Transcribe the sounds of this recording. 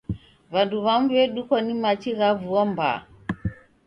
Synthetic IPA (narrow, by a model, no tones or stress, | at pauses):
βanduβamβɛɗukɔnimat͡ʃiɣavuɔmba̰